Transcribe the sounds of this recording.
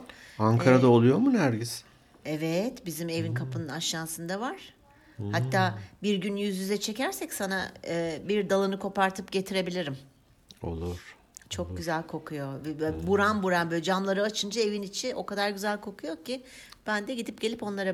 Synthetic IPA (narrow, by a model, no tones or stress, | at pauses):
aŋkʰaɾad̪aolˠujo̞munæɾɟiz | ɛvɛt̪bizime̞vinkʰapʰɯnɯnaʃːansɯnd̪avaɾ̥ | hat̪ːaːbiɾɟynjyzjyzɛt͡ʃʰe̞cæɾsɛcsana̰ːbiɾd̪alˠɯnɯkʰo̞paɾt̪ʰɯpɟe̞t̪ʰiɾe̞bilʲiɾim | o̞̰lˠuɾ̥ | t͡ʃʰo̞k̚ɟyzælʲkʰo̞kʰujo̞vɛbuɾanbuɾanbølʲd͡ʒamlˠaɾɯat͡ʃʰɯnd͡ʒae̞vinit͡ʃʰiʔo̞kad̪aɾɟyzælʲkʰo̞kʰujo̞cʰib̥ænd̪ɛɟid̪ip̚ɟ̥e̞lʲipo̞nlˠaɾa